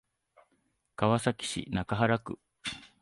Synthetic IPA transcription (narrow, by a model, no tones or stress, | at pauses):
kaβasakʲi̥ɕḭnakaɦaɾakɯ̟